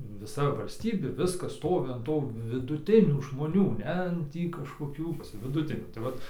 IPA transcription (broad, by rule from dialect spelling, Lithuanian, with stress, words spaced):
ʋʲɪˈsɐ ʋɐlʲsʲˈtʲiːbʲeː ˈʋʲɪskɐs ˈstoːʋʲɪ ɐn ˈtuː ʋʲɪdʊˈtʲɪnʲuː ʒmoːˈnʲuː ˈnʲɛ ˈtʲiː kɐʃkoːˈkʲuː ʋʲɪdʊˈtʲɪnʲuː tɐɪ ˈʋɐt